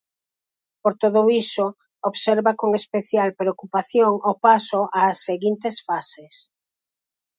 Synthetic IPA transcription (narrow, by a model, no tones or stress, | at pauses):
poɾt̪oðoiso | oβseɾβakoŋespeθjalpɾeokupaθjoŋopasoʔaːsːeɣint̪esfases